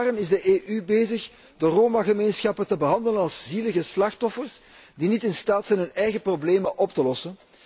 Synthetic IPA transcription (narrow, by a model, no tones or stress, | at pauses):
rənɪzdəʔeːʔybeːzəx | dəroːmaɣəmeːnsxɑpətəbəɦɑnd̪ələnɑlˠsziləɣəslɑxtɔfərs | dinitɪnstaːtsɛjnɦɵnɛjɣəprobleːməʔɔptəlɔsən